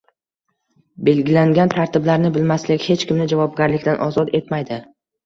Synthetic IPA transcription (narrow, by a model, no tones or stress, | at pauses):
be̞lɡʲɪlaŋɡʲant̪ʰaɾt̪ʰɪblaɾnɪbɪlmaslɪkʲhe̞t͡ʃkʲɪmnɪd͡ʒavɒb̚ɡʲaɾlɪkʲt̪anʔɒzɒt̪e̞t̪majd̪ɪ